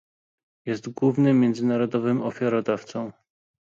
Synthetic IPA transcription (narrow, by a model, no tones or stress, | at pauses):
jɛst̪ɡwuvnɘmʲjɛnd̪zɘnaɾɔd̪ɔvɘmɔfʲjaɾɔd̪aft̪sɔ̃w̃